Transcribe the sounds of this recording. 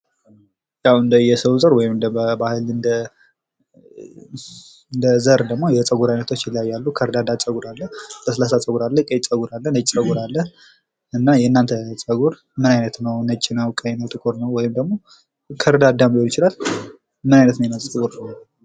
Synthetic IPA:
jawɨnd̪əjɛsəwzʼəɾwɔjɪmɨnd̪bəbahɨlɨnd̪ə | ɨnd̪əzəɾd̪əɡmo̞jɛt͡sʼəɡuɾajnət̪ʰo̞t͡ʃːjɪljajːalːukʰəɾd̪ad̪at͡sʼəɡuɾalːəhbəsəlasat͡sʼəɡuɾalːəkʼet͡sʼəɡuɾalːənət͡ʃʼsʼəɡuɾalːəh | ʔɨnːajɛnːant̪ʰət͡sʼəɡuɾ | mɨnajnət̪nəwnət͡ʃʼːɪnəwkʼənəwt̪ʼɨkʼoɾnəwwːɔjɪmd̪əɡmo̞ | kʰəɾd̪ad̪ambiolɪt͡ʃɪlal | mɨnajnət̪nəjɛnət͡sʼɨɡuɾnə

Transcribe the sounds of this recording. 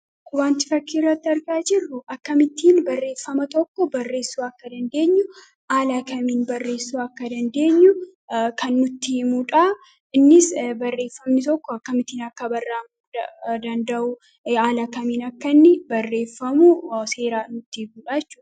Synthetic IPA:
kʊbaːnt̪ɪfɐkːiɪrːɐt̪ːɐɾɡaːd͡ʒɪrːʊʔɐkːɐmɪt̪iːnbɐrːe̞ːfːɐmɐt̪ɔkːɔbɐrːe̞ːsːuːɐkːɐd̪ɐnd̪e̞ːɲːʊ | ʔaːlaːkɐmiːnbɐrːe̞ːsːuːɐkːɐd̪ɐnd̪e̞ːɲːʊ | kʰɐnːʊt̪ːimuᶑaː | ɪnːɪsbɐrːe̞ːfːɐmnɪt̪ɔkːɔɐkːɐmɪt̪iːnɐkːɐbɐrːaːmuɐd̪ɐnd̪ɐʔu | aːlaːkɐmiːnɐkːɐnːɪbɐrːe̞ːfːɐmuse̞ːɾaːnʊt̪ːiɡuːᶑaːt͡ʃːʊ̥

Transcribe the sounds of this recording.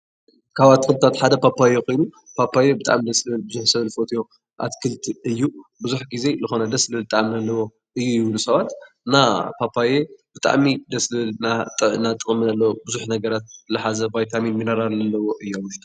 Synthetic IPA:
kʰaβat̪kʰɨlt̪ʰːat̪ħad̪ɐpapʰːajeko̞jnu | pʰapʰːajebɨt̪ʼa̰ʕmid̪ɐslɨβɨlbɨzuħsɐβlfo̞t̪ʰijo̞ | ʔa̰t̪kʰɨlt̪ʰɨjːubɨzuħɡize̞zɨxo̞nɐd̪ɐslɨlt̪ʼːaʔmnɐlːɐwo̞ | ɨjːujɪβlusɐβat̪ɨnapʰapʰːajebɨt̪ʼa̰ʕmid̪ɐslɨɨlnanːat̪ʼɨχʼminɐlːɐwobɨzuħnɐɡɐɾat̪̚ɨlɐħazɐbajt̪ʰaminmɨnɐɾaɾnɐlːɐwo̞ʔɨjːuawʊʃt̪ʰu̥

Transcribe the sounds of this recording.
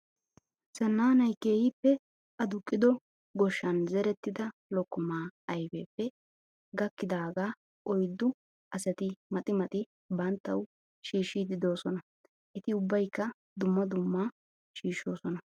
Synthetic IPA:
sɐnːaːnɐjke̞ːhɪpːɛ | ʔɐd̪ʊkʼːɪd̪ɔ | ɡɔʃːɐnzɛɾɛt̪ːɪd̪ɐlɔkːʊmaːɐjbɛpːɛ | ɡɐkːɪd̪aːɡaː | ʔɔjd̪ʊ | ʔɐsɐt̪ɪmɐt̪ʼɪmɐt̪ʼɪ | bɐnt̪ːɐw | ʃiːʃːid̪ɪd̪o̞ːsɔnɐ | ʔɛt̪ɪʊbːɐjkːɐ | d̪ʊmːɐd̪ʊmːaː | ʃiːʃːo̞ːsɔnɐ

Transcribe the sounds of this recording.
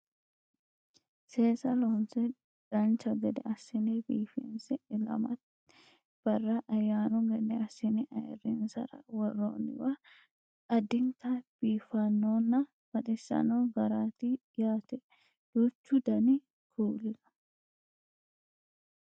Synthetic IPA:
seːsɐlonsɛ | d̪̥ɐnt͡ʃːɐɡɛd̪ɛɐsːɪnɛbiːfɛnsɛɪlɐ̰mɐt̪ | b̥ɐrːɐʔɐjːaːnʊɡɛd̪ɛɐsːɪnɛʔɐjɛ̰rːɪnsɐ̰ɾɐ̰wɔrːo̰ːnɪ̰wɐ | ɐd̪ɪŋkɐb̥iːfɐnːoːnːɐ | b̥ɐɗɪsːɐ̰noːɡɐɾaːt̪ɪ | jaːt̪ɛ | d̪̥uːt͡ʃːʊd̪ɐnɪ | kʰuːlɪnɐ̥

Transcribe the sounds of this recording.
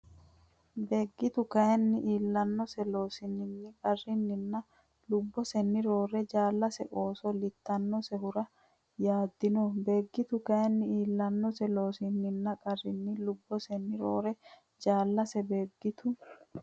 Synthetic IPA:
beːɡːɪt̪ʊkɐjɛnːɪʔiːlːɐnːɔsɛlo̞ːsɪnːɪnːɪkʼɐrːɪnːɪnːɐ | lʊbːɔsɛnːɪɾo̞ːɾɛd͡ʒaːlːɐsɛʔo̞ːsɔlɪt̪ːɐnːɔsɛɦʊɾɐ | jaːd̪ːɪnɔbe̞ːɡːɪt̪ʊkɐjɛnːɪiːlːɐnːɔsɛlo̞ːsɪnːɪnːɐkʼɐrːɪnːɪlʊbːɔsɛnːɪɾo̰ːɾɛ | d͡ʒaːlːɐsɛbeːɡːɪt̪ʊ

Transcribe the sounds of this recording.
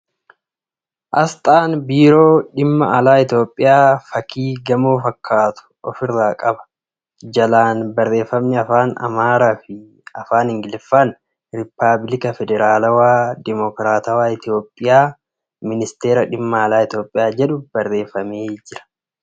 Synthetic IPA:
ʔɐst̪ʼaːnbiːɾo̞ːᶑɪmːɐʔɐlaːɪt̪jo̞ːpʼːɪjaːfɐkʰiːɡɐmoːfɐkʰːaːt̪ʊ̥ɔ̰fɪrːaːkʼɐbɐ̥ | d͡ʒɐlaːnbɐrːe̞ːfːɐmnɛɐfaːnɐ̰maːɾaːfɪ | ɐfaːnɪŋɡɪlɪfːaːn | ɾɪpːablɪkɐfɛd̪ɛɾaːlɐwaːd̪ɪmɔkɾaːt̪ɐwaːɪt̪jo̞ːpʼːɪjaː | mɪnɪst̪e̞ːɾɐᶑɪmːɐːlaːɪt̪jo̞ːpʼːɪjaːd͡ʒɛᶑʊb̥ɐrːe̞ːfːɐmeːd͡ʒɪɾɐ̥

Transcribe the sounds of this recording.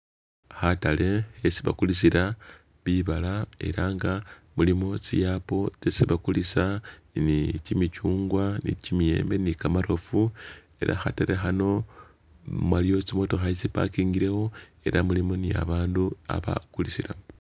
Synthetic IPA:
xatale̞ːsiβa̰kulisiɾa | βiβalae̞̰ɾaŋɡamulimo̞t͡sijaːpo̞t͡sesiβakulisa | nicimit͡ʃuːŋɡwanḭcimie̞̰ːmbe̞nikamaɾo̞fu | e̞ɾa̰xataɾexano̞ | mwalio̞t͡simo̞to̞xaisipa̰kiːŋɡiɾe̞xo̞e̞̰ɾamulimo̞nija̰βaːndua̰βa̰kulisiɾa̰

